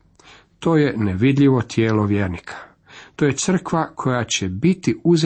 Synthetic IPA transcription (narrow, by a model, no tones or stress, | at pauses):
t̪o̞ːjeneʋid̪ʎʲiʋo̞t̪ʰjeːlo̞ʋjeːɾnikʰḁ | t̪oje̞t̪sr̩kʋakʰo̞jat͡ɕebit̪iuz